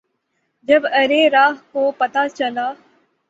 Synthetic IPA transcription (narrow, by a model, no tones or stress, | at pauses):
d͡ʒɐbɐɾeɾaːɦkopɐt̪at͡ʃɐlaː